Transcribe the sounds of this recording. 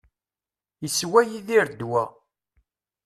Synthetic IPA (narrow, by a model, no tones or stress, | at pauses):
jəswæjiðiɾd̪wæ